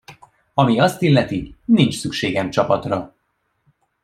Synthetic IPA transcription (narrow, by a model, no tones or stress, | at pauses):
ɒmiɒst̪ilːɛt̪inint͡ʃsykʃeːɡɛmt͡ʃɒpɒt̪rɒ